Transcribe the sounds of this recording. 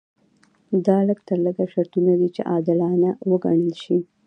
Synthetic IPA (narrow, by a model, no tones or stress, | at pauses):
d̪ɑləɡt̪əɾləɡaʃaɾt̪unad̪it͡ʃḛʔɑd̪ɪlɑnawəɡa̰ɳəlʃi